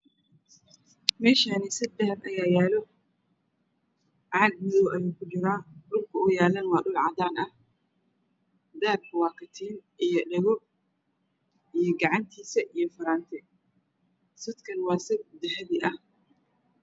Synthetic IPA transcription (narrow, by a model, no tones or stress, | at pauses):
mɛːʃaːnɪsɪd̪d̪ɐhɐɾɐjaːjæːlɔ | ʕɑːɡ̚mɪðɔwʔɐjuːkʰʊt͡ʃɪɾaːɖʊlkʰɐʊjaːlɐnwɑːɖʊlʕɑd̪aːnɐh | d̪aːb̚kʰɐwaːkʰɐt̪ʰiːnʔijɔɖɛɣɔ | ijɞɡɑʕɑnt̪ʰiːsɐʔijɔfɐɾaːnt̪ʰɛ | sʊd̪kʰɐnwɑːsɪbd̪ɐɦɛðiʔɐh